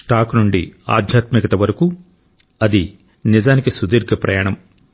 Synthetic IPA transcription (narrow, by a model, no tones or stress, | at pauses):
ʈaːknuɳɖḭa̰ːd̪ʱjaːt̪mikɐt̪ɐʋɐɾɐku | ɐd̪i | nizaːnikisud̪iːɾɡʱɐpɾɐ̰jaːɳɐm